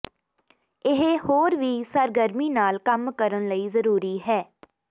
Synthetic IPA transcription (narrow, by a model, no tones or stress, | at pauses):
ɪɦhoːɾʋiːsəɾɡəɾmiːnaːlkəmkəɾənləiːzəɾuːɾiːɦɛː